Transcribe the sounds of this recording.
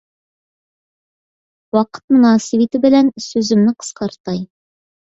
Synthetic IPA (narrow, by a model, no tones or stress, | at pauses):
wɑqə̥t̪̚munɑːsivit̪ɪbɘ̆lænsɵzɘ̆mnɪqʰə̥sqɑɾt̪ɑj